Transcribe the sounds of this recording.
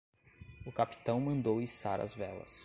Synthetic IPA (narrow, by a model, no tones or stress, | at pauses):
ʊkapi̥t̪ɐ̃w̃mɐ̃nd̪owisaɾɐ̰zvɛlɐ̰s